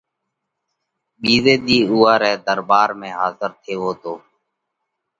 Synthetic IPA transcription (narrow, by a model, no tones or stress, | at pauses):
ɓiːzeːd̪iːuːaːɾɛːd̪əɾbaːɾmẽːɦaːzəɾt̪ʰeːʋoːt̪oː